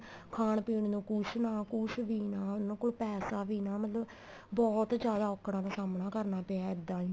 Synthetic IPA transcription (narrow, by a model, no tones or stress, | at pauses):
kʰaːɳpiːɳnũːkʊt͡ʃʰnãːkʊt͡ʃʰʋiːnãːʊnãːkoːlpɛːsaːʋiːnãːmət̪ləb | bɔːt̪d͡ʒjaːd̪aːɔːkʰːɽãːd̪aːsaːmnãːkəɾnaːpẽaɪd̪ãːiː